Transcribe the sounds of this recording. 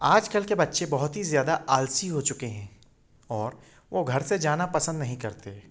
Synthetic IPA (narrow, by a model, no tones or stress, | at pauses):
aːd͡ʒkɐlkebɐtːʃẽbɐɦʊt̪ɦizjaːd̪aʔaːlsiɦot͡ʃʊkeɦɛ̃ː | ɔːɾ | ʋoɡʱɐɾsed͡ʒaːnapɐsə̃nd̪nɐɦĩkɐɾt̪e